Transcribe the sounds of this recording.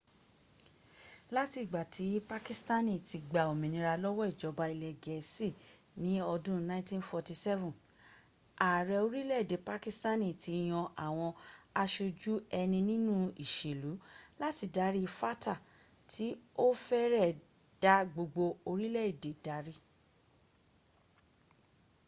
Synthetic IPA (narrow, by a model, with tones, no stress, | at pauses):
la˦ti˧˨ɡ͡ba˨tʰi˨˦pa˦ki˦sta˦nĩ˨ti˧ɡ͡ba˨o˨mĩ˨nĩ˧ɾa˧lɔ˦wɔ˦i˦˨d͡ʒɔ˨˧ba˧i˧lɛ˨ɡɛ˨si˦˨ | nĩ˨˦ɔ˧dũ˦nã˦tĩ˦nfɔ˧ti˧sɛ˦vũ˨ | a˨ɾɛ˧o˧ɾi˦lɛ˦i˨de˨˦pa˧ki˦sta˦nĩ˨ti˧j̃ɔ̃˧ʔa˨w̃ɔ̃˧a˧ʃo˧d͡ʒu˦ɛ˧nĩ˧nĩ˦nũ˦i˨ʃe˨lu˨˦la˦ti˧da˨˦ɾi˦˧fa˦ta˦˨ | tʰi˨˦o˦fɛ˦ɾɛ˦˨ | d̥a˦ɡ͡bo˧ɡ͡bo˧o˧ɾi˦lɛ˦˨i˨de˨d̥a˨˦ɾi˦